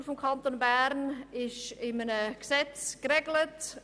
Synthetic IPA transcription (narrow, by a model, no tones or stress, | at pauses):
fomkʰɑnt̪onbæɾnɪʃɪmənəksɛt͡skrɛɡlət